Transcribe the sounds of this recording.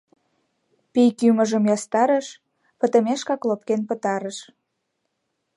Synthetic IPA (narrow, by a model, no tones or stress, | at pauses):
pijkyməʒəmjɑst̪ɑɾə̆ʃ | pə̆t̪ə̆meʃkɑklopkenpət̪ɑɾəʃ